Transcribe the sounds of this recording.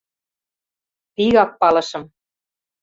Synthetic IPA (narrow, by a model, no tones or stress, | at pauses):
piɣɑk̚pɑlɤ̆ʃɤ̆m